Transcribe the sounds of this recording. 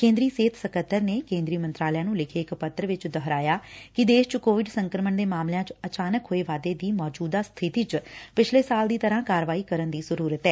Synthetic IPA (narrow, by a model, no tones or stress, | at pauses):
kẽːnd̪ɾiːseːt̪ʰsəkət̪ːəɾneːkẽːnd̪ɾiːmənt̪ɾaːljãːnũːlɪkʰeːɪkpət̪ːəɾʋɪt͡ʃd̪əɦɾaːjaːkɪd̪eːʃt͡ʃkoːʋɪɖsəŋkɾəməɳd̪eːmaːmljãːt͡ʃət͡ʃaːnəkɦoːeːʋaːd̪eːd̪iːmɔːd͡ʒuːd̪aːst̪ʰɪt̪iːt͡ʃpɪt͡ʃʰleːsaːld̪iːt̪əɾãːkaːɾʋaːiːkəɾənd̪iːzəɾuːɾət̪ɛː